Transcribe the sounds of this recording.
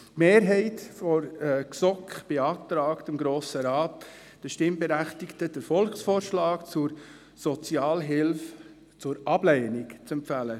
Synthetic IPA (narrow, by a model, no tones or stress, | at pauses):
tmeːɾɦɛɪtfɔɾɛksɔkχb̥eɑːtɾɑːktəmɡɾoːsəɾɑːt | d̥əʃtɪmbɛɾæχtɪktəd̥əɾfɔlksfoːɾʃlɑːkt͡sʊɾ | sɔt͡siɑːlɦɪlf | t͡sʊɾʔɑblɛɪnɪkt͡sɛmpfælə